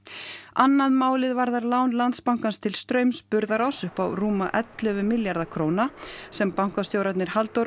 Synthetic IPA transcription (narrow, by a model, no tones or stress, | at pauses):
anːaðmaːwlɪðvaɾðaɾlaːwnlant̪spawŋ̥kanst̪ʰɪlst̪ɾœːɥmspʏɾðaɾɔsʏhpa̰wruːma̰ʔɛt̪lʏvʏmɪljaɾðakʰɾoːwnasɛmpawŋ̥kast̪joːwɾat̪nɪɾ̥halt̪owɾ